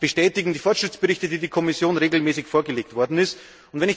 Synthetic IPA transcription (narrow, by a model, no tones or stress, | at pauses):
b̥əʃtɛːtɪɡŋ̩diːfɔɐtʃʁ̥ɪt͡sb̥əʁɪçtədiːdiːkʰɔmɪsjoːnʁeːɡl̩mɛːsɪçfoːɐɡəleːk̚tv̥ɔɐdn̩ɪst | ʊntvɛnɪç